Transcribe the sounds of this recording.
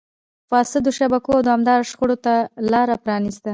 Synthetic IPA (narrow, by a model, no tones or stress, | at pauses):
fɑsɪd̪oʃabakoawd̪əhamd̪ɑɾaʃxoɽot̪alɑɾapɾɑnist̪a